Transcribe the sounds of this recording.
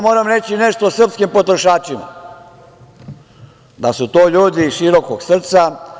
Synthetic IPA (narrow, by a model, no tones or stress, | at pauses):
mo̞ːɾamɾe̞t͡ɕine̞ʃt̪osr̩pskimpo̞t̪ɾoʃaːt͡ʃima̰ | d̪asut̪oːʎuːd̪iʃiɾo̞koɡsr̩t̪sa